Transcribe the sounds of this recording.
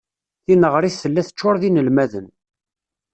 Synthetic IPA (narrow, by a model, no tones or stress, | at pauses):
θinəʁɾˤiθːəlːæθə̥t͡ʃːʊɾˤðinəlmæðən